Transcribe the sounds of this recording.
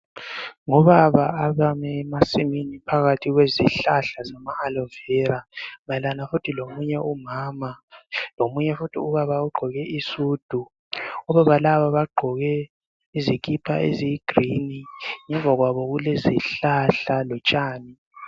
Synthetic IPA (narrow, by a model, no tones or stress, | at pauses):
ŋɔβaβaaβamɛːmasiminipʰaɣatʰiɣweziɬaɬazamaːlɔvɛɾaŋalanafutʰilomuɲɛʔumaːmalomuɲɛfutʰiuβaβauɡ͡ǃʱɔɣɛʔisuːd̥ʱu | ɔβaβalaβaβaɡ͡ǃʱɔɣɛ | izik̬ʼipʰaḛzijiɡ̥riniŋɛɱvʱaɣwaβɔɣuleziɬaɬalɔt͡ʃʼaːni